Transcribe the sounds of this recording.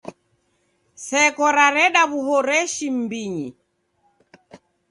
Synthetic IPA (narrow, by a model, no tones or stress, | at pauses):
sɛkɔɾaɾɛɗaβuhɔɾɛʃim̩biɲi